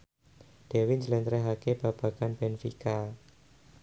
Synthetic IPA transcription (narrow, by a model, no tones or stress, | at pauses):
d̥ewɪd͡ʒəlɛnt̪ɾɛɦakeb̥ab̥a̤ɡ̥anb̥ɛnfḭka